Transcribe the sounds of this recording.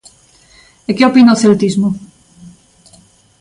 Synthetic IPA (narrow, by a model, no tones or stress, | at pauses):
ekeopinaoθelt̪izmʊ